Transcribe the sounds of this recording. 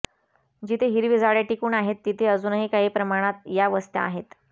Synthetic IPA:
d͡ʑit̪ʰeɦiɾʋid͡zaɭjaʈikuːnaɦet̪ːit̪ʰeəd͡zuːnəɦiːkaɦiːpɾəmaɽ̃at̪̚jaʋəst̪a̰a̰ɦet̪

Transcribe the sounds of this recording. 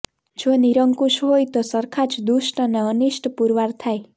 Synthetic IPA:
d͡ʒoniɾəŋkuʃɦojt̪osəɾkʰat͡ʃd̪uʃʈəneəniʃʈpuɾʋaɾt̪ʰaj

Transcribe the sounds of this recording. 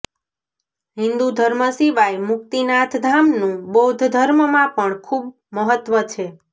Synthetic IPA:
ɦɪ̃nd̪ud̪ʱəɾməsiʋajmʊk̚t̪inat̪ʰd̪ʱamnũbod̪ʱd̪ʱəɾməmãpəɳkʰub | məɦət̪ʋət͡ʃʰe

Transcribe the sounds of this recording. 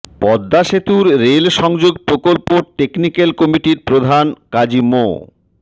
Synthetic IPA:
pɔd̪ːaʃet̪uɾɾelʃɔŋd͡ʑoɡ̚pɾokolpoʈeknikelkɔmiʈiɾpɾod̪ʱankad͡ʑimo̰

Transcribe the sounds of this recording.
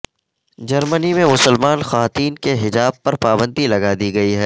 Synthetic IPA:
d͡ʒɐɾmənimẽmʊsəlmaːnxɐʋaːt̪iːnkeɦɪd͡ʒaːb̚pɐɾpaːbə̃nd̪ilɐɡad̪iɡɐiɦɛː

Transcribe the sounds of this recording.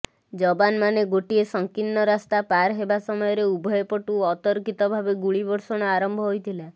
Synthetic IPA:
d͡ʒɔbanmaneɡoʈiesɔŋkinːɔɾast̪apaɾɦebasɔmɔjɔɾeubʱɔjɔpɔʈuɔt̪ɔɾkit̪ɔbʱabeɡuɭibɔɾsɔɽ̃ɔaɾɔmbʱɔɦojt̪ʰila

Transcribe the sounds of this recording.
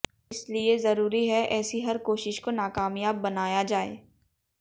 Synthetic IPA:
ɪsliezɐɾuːɾiɦɛʔɛːsiɦɐɾkoːʃɪʃkonaːkaːmijaːbːɐnaːjad͡ʒaːḛː

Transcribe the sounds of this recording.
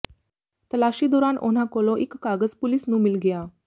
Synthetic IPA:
t̪əlaɕiːd̪oɾanʔo̰n̤akoloʔikːaɡəd͡zpulisnũːmilɡeja

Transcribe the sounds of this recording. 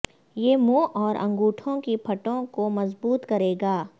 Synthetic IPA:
jeːmõːʔɔːɾɐ̰̃ŋɡuːʈʰõkipʰɐʈõkomɐzbuːt̪kɐɾeːɡaː

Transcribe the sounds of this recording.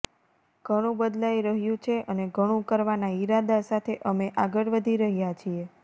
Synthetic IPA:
ɡ̥ʱəɽ̃ũbəd̪lajɾəɦjũt͡ʃʰeʔəneɡʱəɽ̃ũkəɾʋanaiɾad̪asat̪ʰeʔəmeʔaɡəɽʋəd̪ʱiɾəɦjat͡ʃʰie

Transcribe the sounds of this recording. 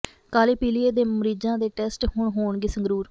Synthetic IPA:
kaːliːpiːlieːd̪eːməɾiːd͡ʒãːd̪eːʈɛːsʈɦʊɳɦoːɳɡiːsəŋɡɾuːɾ

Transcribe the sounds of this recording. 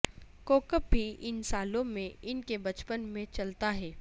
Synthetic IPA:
koːkəp̚bʱiɪnsaːlõmẽɪnkebɐt͡ʃpənmẽt͡ʃɐlt̪aɦɛː

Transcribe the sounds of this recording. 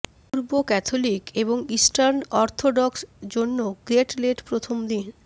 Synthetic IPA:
puɾbokɛt̪ʰolikeβoŋisʈaɾnɔɾt̪ʰoɖɔksd͡ʑonːoɡɾeʈleʈpɾot̪ʰomd̪in

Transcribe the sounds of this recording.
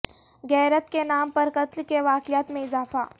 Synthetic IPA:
ɣɛːɾət̪kenaːmpɐɾkɐt̪lkeʋaːkɪjaːt̪mẽɪzaːfa̰ː

